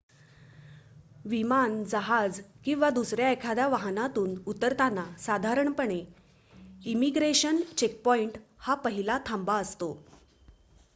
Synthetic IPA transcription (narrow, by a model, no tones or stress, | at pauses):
ʋimand͡zaɦad͡zkĩw̃ʋad̪usɾjaekʰad̪jaʋaɦnat̪uːnut̪əɾt̪anːasad̪ʱaɾəɳpəɳe | imiɡɾeɕənt͡ɕek̚pɔiɳʈhapəɦilat̪ʰambaəst̪o